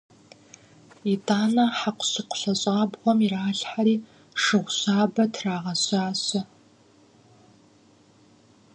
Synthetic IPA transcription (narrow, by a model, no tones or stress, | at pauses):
itʰaːnɐħaqʷʊ̥ɕɨqʷʊ̥ɬɐɕʼaːbʁʷɔmiraːɬħaɾiː | ʂɨʁʷɕaːbɐtʰraːʁɐɕaːɕɐ